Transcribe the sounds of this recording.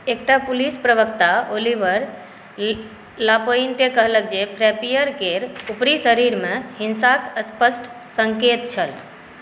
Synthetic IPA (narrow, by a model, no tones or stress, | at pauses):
ek̚ʈapulispɾəβəkt̪aolibəɾ | lapoinkekəɦlək̚d͡ʒepʰɾɛpijəɾkeɾupɾisəɾiɾmehinsakəspəsʈʰ | səŋket̪t͡ʃʰəl